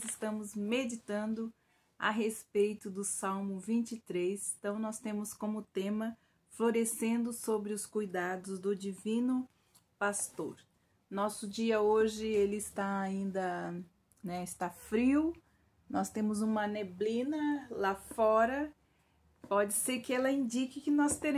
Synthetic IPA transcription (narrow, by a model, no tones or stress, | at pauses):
zɪst̪ɐ̃mʊzmed͡ʒit̪ɐ̃nd̪ʊ | a̰ɦespejt̪ʊd̪ʊsawmʊvĩnt͡ʃit̪ɾejst̪ɐ̃w̃nɔst̪ẽmʊskõmʊt̪ẽmɐ | floɾesẽnd̪ʊsobɾɪʊskujd̪ad̪ʊzd̪ʊd͡ʒivĩnʊ | past̪oɾ | nɔsʊd͡ʒiɐoʒɪelɪːst̪aaĩnd̪ɐ | nɛɪst̪afɾiw | nɔst̪ẽmʊzũmɐneblĩnɐlafɔɾɐ | pɔd͡ʒɪseɾkɪɛlɐĩnd͡ʒikɪkɪnɔst̪eɾ